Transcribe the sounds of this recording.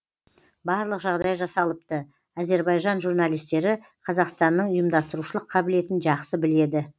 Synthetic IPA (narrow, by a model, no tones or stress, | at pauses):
bɑɾlˠəqʒɑʁd̪ɑjʒɑsɑlˠəp̚t̪ə | æze̞ɾbɑjʒɑnʒurnɑlijst̪e̞ɾɪ | qʰɑzɑqst̪ɑnːəɴʊjəmd̪ɑst̪əɾuʃəlˠəqʰːɑbɪle̞t̪ɪnʒɑqsəbɪle̞d̪ɪ